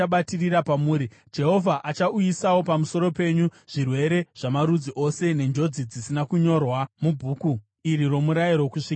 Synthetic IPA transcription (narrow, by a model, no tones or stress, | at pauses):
aɓatiriɾapamuːɾid͡ʒe̞ɦo̞vʱaʔat͡ʃaujisawo̞pamuso̞ɾo̞pe̞ɲuʐ̥irwe̞ɾe̞ʐ̥amaɾud͡ziʔo̞se̞ne̞nd͡ʒo̞d͡zid͡zisinakuɲo̞rwamubʱuːku | iɾiro̞muɾajirwokuʂiːka